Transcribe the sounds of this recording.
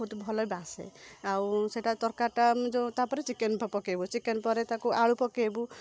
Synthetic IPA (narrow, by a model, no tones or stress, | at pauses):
ɦut̪bʱɔlɔjbasḛawseʈat̪ɔɾkaʈamd͡ʒɔt̪apɔɾet͡ʃikenpɔpɔkebut͡ʃikenpɔɾet̪akuʔaɭupɔkebu